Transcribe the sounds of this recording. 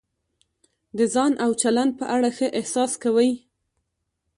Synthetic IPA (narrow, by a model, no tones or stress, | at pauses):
d̪əzɑnʔawt͡ʃaland̪̚pəʔaɽaxəʔɪhsɑskawəj